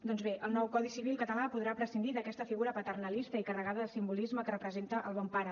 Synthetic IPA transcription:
d̪ɔnzβeəlˠnɔwkɔðisiβ̞ilˠkət̪əlapuðɾapɾəsind̪iðəkɛst̪əfiɣuɾəpət̪ərnəlist̪əikərəɣaðəðəsimbulizməkərəpɾəzent̪əʔəlˠβ̞ɔmpaɾə

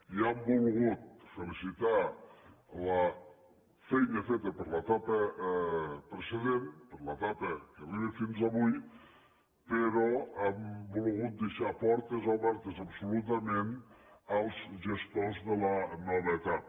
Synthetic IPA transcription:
iambulˠɣut̪̚fəlisit̪a | la | fɛjɲəfet̪əpəɾlat̪apə | pɾeseðenpəɾlat̪apəkəβiefinzaβuj | pəɾɔɛmbulɣut̪̚d̪eʃapɔɾt̪ezoβɛɾt̪əzapsulut̪̬amenalˠzʒest̪ozðəlanɔβet̪at

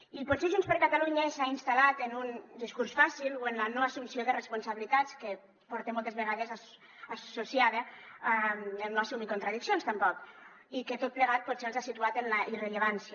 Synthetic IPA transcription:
ipuɔseʒunspəɾkat̪aluɲəsainst̪alat̪enund̪iskuɾsfasiloenlanoasumsioðərespunsaβilit̪at͡ske | pɔɾt̪emɔlˠt̪ezβeɣ̞aðeza | asusjaðəamelnoasumikont̪ɾaðiksjonst̪əmpɔk | iket̪ot̪̚pleɣ̞at̪̚put̪selzasit̪uat̪enlaʔireʎeβansj

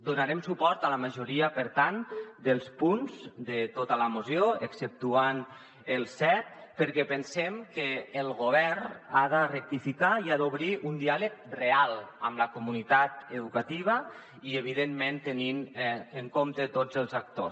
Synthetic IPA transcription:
d̪unaɾemsupɔɾt̪aləməʒuɾiəpəɾt̪and̪əlˠspunzd̪ət̪ot̪əlamozjoeksəp̚t̪uan | əlˠsɛt̪̚pəɾkɛpənsemkəːlˠɣoβ̞ɛrnaðərək̚t̪ifikaiaðoβɾiʔund̪ialək̚realˠəmləkumunit̪at̪əðukat̪iβ̞ə | iəβ̞ið̞emːent̪əninəŋkomt̪ət̪od͡zəlˠzak̚t̪os

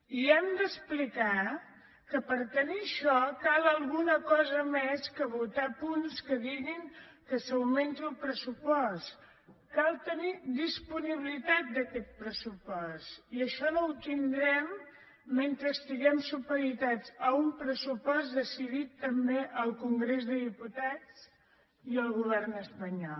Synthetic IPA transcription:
iɛmd̪əsplika | kəpəɾt̪əniəʃɔkalˠəlˠɣunəkɔzəmeskəβut̪apunskəðiɣiŋkəsəwment̪iəlˠpɾəsupɔs | kalˠt̪ənid̪ispuniβilit̪at̪̚d̪əkɛt̪̚pɾəsupɔsiəʃɔnowt̪ind̪ɾɛmː | ent̪ɾəːst̪iɣɛmsupəɾit̪ad͡zəumpɾəsupɔzd̪əsiðit̪ːəmbeʔəlˠkuŋɡɾezðəðiput̪at͡s | iəlˠɣuβ̞ɛrnəspəɲɔ

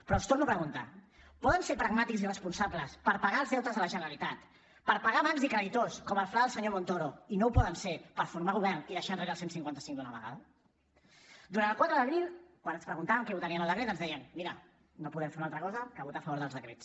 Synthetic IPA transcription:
pɾɔst̪ornuapɾəɣunt̪a̰ | pɔðənsepɾəɡ̚mat̪ikzirəspunsabləspəɾpaɣaəlˠzðɛwt̪əzðələʒənəɾəlit̪at̪ | pəɾpaɣaβanzikɾəðit̪oskɔməlˠflaðəlˠsəɲomont̪oɾoinowpɔðənsepəɾfuɾmaɣuβɛrniðəʃanreɾəlˠsensiŋkwant̪əsiŋd̪unəβə̰ɣa̰ðə | d̪uɾant̪ːəlˠkwat̪ɾəðəβɾilˠkwanənspɾəɣunt̪aβəŋkɛut̪əniənəlˠd̪əkɾet̪ənzðɛjənmiɾə | nopuðɛmfeunalt̪ɾəkɔzəkəβut̪afəβoɾðəlˠzðəkɾet͡s

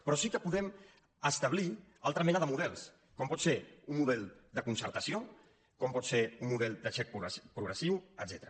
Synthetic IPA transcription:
pɾɔsikəpuðɛm | əst̪əβlialˠt̪ɾəmɛnəðəmuðɛlˠs | kɔmpɔt̪seɾunmmuðɛlˠd̪əkunsəɾt̪əsio | kɔmpɔt̪seummuðɛlˠd̪əʃɛk̚pɾupɾuɣɾəsiwə̰d̪zɛt̪ɾə

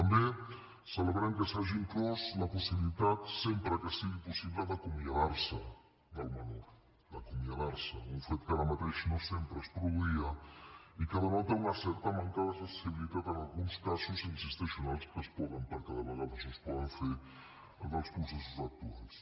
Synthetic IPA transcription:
t̪ɐmbe | sɐləβɾaŋkəsaʒiŋklɔzlɐpusiβilit̪at̪sempɾəkəsiɣipusiβləðɐkumiaðaɾsə | d̪ɐlˠmanɔɾ | d̪ɐkumiaðaɾsəuɱfet̪kalɐmat̪eʃnɔsempɾəspɾuðuiɐikaðənɔt̪eunasɛɾt̪amaŋkaðɐsɐssiβilit̪at̪ənalˠɣunskasuzinsist̪esiunalˠskəspɔðɐmpəɾkaðɐβəɣaβusospɔðɐɱfeɾ | alɣalspusesuzak̚t̪uals

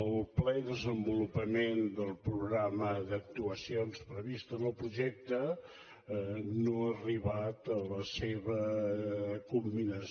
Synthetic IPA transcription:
əlˠplɛðəzəmbulupəmend̪əlˠpɾuɣɾaməðək̚t̪uəsionspɾəβist̪ənəlˠpɾuʒɛk̚t̪ə | noəriβat̪ələseβə | kumbinəs

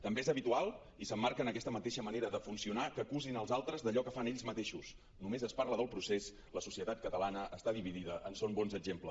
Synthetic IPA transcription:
t̪əmbeezəβit̪ualˠ | isəmːaɾkənəkɛst̪əmət̪eʃəməneɾəðəfunsiunakəkuzinəlˠzalˠt̪ɾəzðəʎɔkəfaneʎzmət̪eʃus | numezəspaɾləðəlˠpɾuses | ləsu̥siət̪at̪̚kət̪əlanəʔəst̪aðiβiðiðəʔənsombɔnzəɡʒempləs

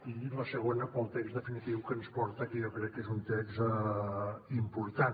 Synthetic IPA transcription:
iləsəɣ̞onəpəlˠt̪ɛkzðəfinit̪iwkənspɔɾt̪əkəjɔkɾɛkːezunt̪ɛkzə | impuɾt̪an

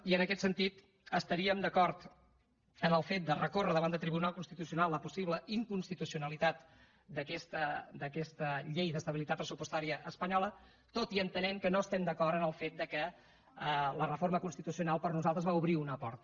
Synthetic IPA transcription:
iənəkɛt̪sənt̪it̪ | əst̪əɾiəmd̪əkɔɾt̪ | ənəlˠfet̪̚d̪ərəkorəðəβand̪əlˠt̪ɾiβunalˠkunst̪it̪usiunalˠlːəpusiβləiŋkunst̪it̪usiunəlit̪at̪ | d̪əkɛst̪əd̪əkɛst̪əʎejðəst̪əβilit̪at̪pɾəsupust̪aɾiəʔəspəɲɔlə | t̪ot̪iənt̪ənɛmkənoəst̪ɛmd̪əkɔrt̪ənəlˠfet̪̚d̪əkə | lərəfoɾməkunst̪it̪usiunalˠpəɾnuzalˠt̪ɾəzβauβɾiunəpɔɾt̪

